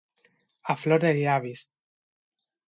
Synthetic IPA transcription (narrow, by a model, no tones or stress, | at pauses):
afloɾðeliaβis